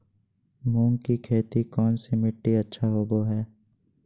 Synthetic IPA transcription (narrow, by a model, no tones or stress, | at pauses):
mũːŋkikʰeːt̪ikɔːnsemɪʈːiɐtːʃʰaɦoːboɦɛː